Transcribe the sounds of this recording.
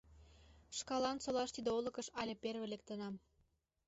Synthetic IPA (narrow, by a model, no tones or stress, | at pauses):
ʃkɑlɑnsolɑʃt̪id̪eolə̆kəʃɑlʲeperβelek̚t̪ənɑm